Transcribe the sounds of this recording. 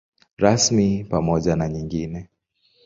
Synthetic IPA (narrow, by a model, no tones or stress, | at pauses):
ɾasmipamɔʄanaɲiŋɡinɛ